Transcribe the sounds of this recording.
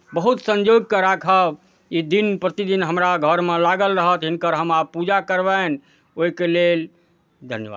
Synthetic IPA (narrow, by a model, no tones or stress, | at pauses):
bəɦut̪sə̃ɲd͡ʒoɡ̚kəɾakʰəb | id̪inpɾət̪id̪inɦəmɾaɡʱəɾmelaɡəlɾəɦət̪ɦɪnkəɾɦəmabpud͡ʒakəɾbən | oɦikelel | d̪ʱənjəa̰d̪